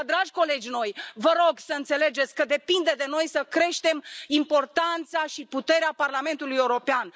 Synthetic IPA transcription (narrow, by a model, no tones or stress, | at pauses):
d̪ɾaʒʲko̞le̞d͡ʒʲno̞jvəɾo̞ɡsəɨnt̪se̞le̞d͡ʒe̞t̪sʲkəd̪e̞pind̪ed̪e̞no̞jsəkɾe̞ʃt̪e̞mimpo̞rt̪ant̪saʃiput̪e̞ɾeaparlame̞nt̪ulujeuɾo̞pean